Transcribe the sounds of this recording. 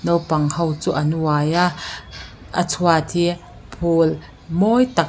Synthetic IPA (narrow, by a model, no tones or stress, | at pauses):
nɔwpɐŋhɐwt͡suːʔɐnuaːjaʔ | ʔə̰t͡sʰuat̪ʰi | pʰol | mɔjt̪ɐk̚